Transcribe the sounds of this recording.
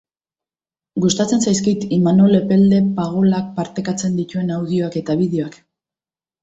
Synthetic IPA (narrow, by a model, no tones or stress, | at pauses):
ɡust̪at͡se̞nsajskit̪imano̞le̞pe̞ld̪e̞paɣ̞o̞lak̚paɾt̪e̞kat͡se̞nd̪it̪ue̞nawðio̞ake̞t̪aβiðeoak